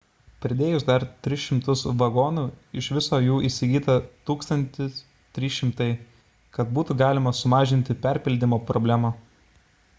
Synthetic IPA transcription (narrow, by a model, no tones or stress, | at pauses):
pʲɾʲɪd̪ʲeːjʊsd̪ɐɾt̪ʲɾʲɪʃʲɪmt̪ʊsʋɐɡoːnuːɪʃʋʲɪsoːjuːʔisʲɪɡʲiːt̪ɐt̪uːkst̪ɐnʲt̪ʲɪs | t̪ʲɾʲiːʃʲɪmt̪ɐɪ | kɐt̪̚buːt̪ʊɡɑːlʲɪmɐsʊmɑːʒʲɪnʲt̪ʲɪpʲæɾʲpʲɪlʲd̪ʲɪmoːpɾɔbʲlʲæmɐ